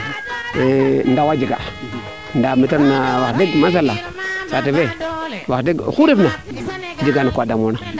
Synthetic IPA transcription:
ndawad͡ʒiɡa̰ | ndamitaɾnawadiɡmas̬alːa | sativewaxdiɡxuɾefna | d͡ʒiɡanakʷadamona

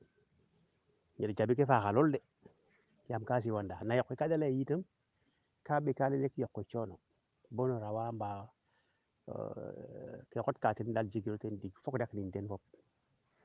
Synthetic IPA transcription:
ɲeɾd͡ʒabikefaxalolde | jamkas̬iwandanajokːekadalajitəm | kaɓekalelekjokːet͡ʃono | bonoɾawamba | kekotkatindald͡ʒiɡiɾotendiɡfokdaknindenfop̚

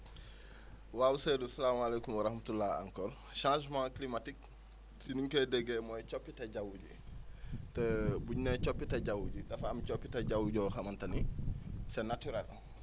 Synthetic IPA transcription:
waːwuseːdusɐlaːmalekumwɐɾɐhmatulːaːɐ̰ŋkɔːɾ | ʃãːʒmãːklimatik̚ | sinuŋkɐdɛɡɛmɔjt͡ʃɔpːitɐɟɐwuɟḭ | təbuɲnɛt͡ʃɔpːitɐɟawuɟidɐfɐɐmt͡ʃɔpːitɐɟawuɟɔːxɐmɐntɐnisɛnatyɾɛl

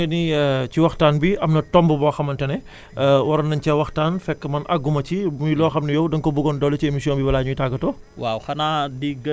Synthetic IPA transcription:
ɐniciwɐxtaːnbiɐmnɐtɔmbəbɔːxɐmɐntɛnɛ | wɐɾɐnːɐɲcɐwɐxtaːnfɛkːəmɐnʔɐɡːumɐcimujlɔːxɐmnɐjɔwdɐŋkɔbuɡɔndɔlːɐciemisijɔːnbibɐlaːɲujtaɡɐtɔː | wawxɐnaːdiɡɐ

